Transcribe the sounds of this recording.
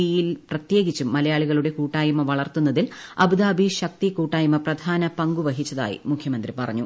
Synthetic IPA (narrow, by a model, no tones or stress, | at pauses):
ijilprɐt̪je̞ːɡit͡ɕːumːɐlɐjaːɭiɣɐɭuɽe̞kuːʈːaːjɐmɐʋɐɭɐrt̪unːɐðilɐ̰bɨd̪aːbʱiɕɐk̚t̪ikuːʈːaːjɐmɐprɐd̪ʱaːnɐpɐŋɡuʋɐɦit͡ɕːɐða̰ːjḭmukʰjɐmɐnd̪ripɐrɐ̰ɲːu